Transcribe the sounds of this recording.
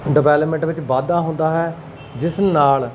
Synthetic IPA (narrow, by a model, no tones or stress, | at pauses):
ɖəʋɛːləpmẽɳʈʋɪt͡ʃbaːd̪ãːɦʊ̃nd̪aːɦɛː | d͡ʒɪsnaːl